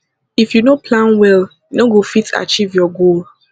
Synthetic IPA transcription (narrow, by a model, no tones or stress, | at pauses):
ifjunopʰlãnwɛl | noɡofita̰t͡ʃivjɔɡol